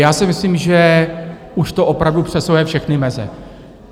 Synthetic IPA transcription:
jaːsɪmɪsliːmʒɛ | uʃt̪oʔo̞pɾavdupr̝̥ɛsowjɛfʃɛxnɪmɛzɛ̰

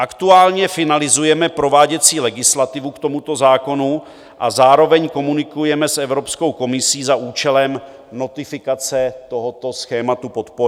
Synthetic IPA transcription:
ʔakt̪uaːlɲɛfɪnalɪzujɛmɛpɾo̞vaːɟɛt͡siːlɛɡɪslat̪ɪvukt̪o̞mut̪o̞zaːko̞nu | ʔazaːɾo̞vɛɲko̞munɪkujɛmɛsʔɛvɾo̞psko̞wko̞mɪsiːzaʔuːt͡ʃɛlɛm | no̞t̪ɪfɪkat͡sɛt̪o̞ɦot̪o̞sxɛːmat̪upo̞t̪po

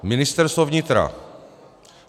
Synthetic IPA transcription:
mɪnɪst̪ɛɾst̪vovɲɪt̪ɾa̰

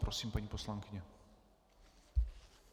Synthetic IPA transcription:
pɾosiːmpaɲiːpo̞slaŋkɪɲɛ

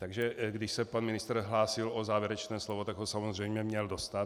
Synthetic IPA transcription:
t̪aɡʒɛɡdɪʃsɛpanmɪnɪst̪rɦlaːsɪlozaːvjɛɾɛt͡ʃnɛːslovot̪aɡɦosamozr̝ɛjmɲɛmɲɛldost̪at̪

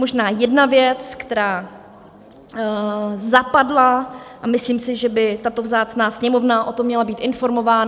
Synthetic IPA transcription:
moʒnaːjɛdnavjɛt͡skt̪ɛɾaː | zapadlaʔamɪsliːmsɪʒɛbɪt̪at̪o̞vzaːt͡snaːsɲɛmo̞vnaʔo̞t̪omːɲɛlabiːt̪ʔɪnfo̞ɾmo̞vaːn

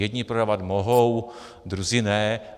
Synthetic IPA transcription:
jɛd̪ɲipɾodaːvat̪moɦow | d̪ɾuzɪnɛː

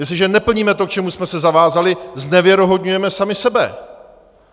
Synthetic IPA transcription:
jɛsɪʒɛnɛpl̩ɲiːmɛt̪o̞k̚t͡ʃɛmusmɛsɛzavaːzalɪznɛvjɛɾo̞ɦo̞dɲujɛmɛsamɪsɛbɛ̰

